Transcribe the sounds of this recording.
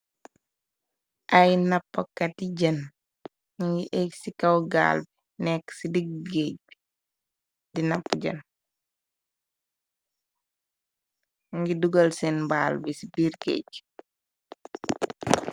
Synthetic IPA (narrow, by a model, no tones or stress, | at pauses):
ʔɐjnɐpːɔkːɐtiɟɐn | ŋɡiʔɛksikɐwɡa̰ːlbi | nɛkːsidiɡeːɟ̚bi | dinɐpːuɟɐ̰n | ŋɡiduɡɐlsɛnbaːlbisi̥biːɾkḛːɟ